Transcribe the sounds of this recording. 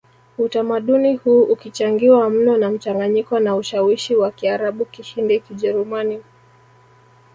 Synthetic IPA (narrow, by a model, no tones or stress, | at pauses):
utamaɗunihuːʔukit͡ʃaŋɡiwam̩nɔnam̩t͡ʃaŋɡaɲikɔnauʃawiʃiwakiaɾaɓukiʃindikiʄɛɾumani